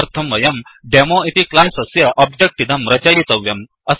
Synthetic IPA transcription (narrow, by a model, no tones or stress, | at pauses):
ɾt̪ʰɐmʋɐjɐmɖemoːit̪iklansɐsjɐʔɔb̚d͡ʒɐk̚ʈid̪ɐmɾɐt͡ʃɐjit̪ɐʋjɐm | ɐs